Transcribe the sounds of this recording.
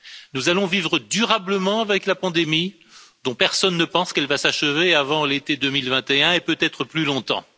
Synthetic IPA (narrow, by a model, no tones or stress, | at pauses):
nuzalɔ̃vivʁəd̪yʁabləmɑ̃avɛklapɑ̃d̪emi | d̪̥ɔ̃pɛʁsɔnːəpɑ̃skɛlvasaʃəveavɑ̃let̪ed̪ømilvɛ̃t̪eɛ̃epøt̪ɛt̪χəplylɔ̃t̪ɑ̰̃